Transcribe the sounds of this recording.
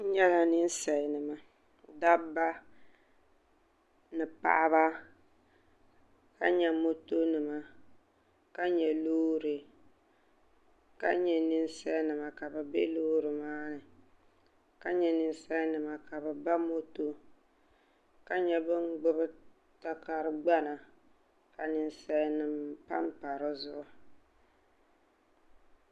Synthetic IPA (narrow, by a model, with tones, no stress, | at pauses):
ɲɛ˦la˨nɨ˦n̩˦sa˨ɪ˨nɨ˨ma˨ | da˦ba˦ | nɨ˨pa̰˨ʔa˦βa˦ | ka̰˦ɲɛ˨mo˦to˦nɨ˨ma˨ | ka˦ɲɛ˨loː˦ɾɨ˨ | ka̰˦ɲɛ˨nɨ˦n˦sa˦nɨ˨ma˨ka˨bɨ˨be˦loː˦ɾɨ˨maː˦nɨ˨ | ka˦ɲɛ˨nɨ˦n˦sɛ˦nɨ˨ma˨ka˨bɨ˨ba˦mo˦to˦ | ka˦ɲɛ˦bɨ˦ŋɡ͡bʊ˦bɨ˦ | ta˦ka˨ɾɨ˦ɡ͡ba˦na˨ | ka˨nɨ˦n˦sɛ˦nɨ˨mpa̰˦mpa˨ɾɨ˦zʊ˦ʔʊ˦